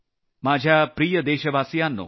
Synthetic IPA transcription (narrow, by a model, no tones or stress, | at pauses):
maːd͡ʒʱapɾiːjəd̪eːʃəbʱaːsijanːo̰